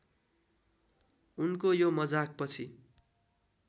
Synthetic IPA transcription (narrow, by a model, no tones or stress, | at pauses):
unkojomʌd͡zak̚pʌt͡sʰi